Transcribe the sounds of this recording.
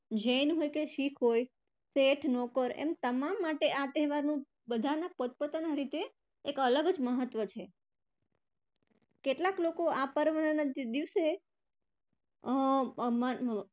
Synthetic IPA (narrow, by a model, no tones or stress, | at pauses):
d͡ʒeinɦojkeʃikʰɦoj | seʈʰnɔkəɾḛmt̪əmamːaʈeʔat̪ɛɦʋaɾnũ | bəd̪ʱanapət̪̚pət̪ənaɾit̪eː | kələɡəd͡ʒməɦət̪ʋət͡ʃʰe | keʈlaklokoapəɾʋənənad̪iʋse | mə